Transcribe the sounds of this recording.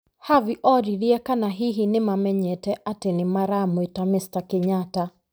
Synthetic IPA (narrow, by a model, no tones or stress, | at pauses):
haviʔɔɾiɾiɛkanaɦiɦinɪmamɛɲɛtɛʔatɛnimaɾamwitamɪstakɛɲata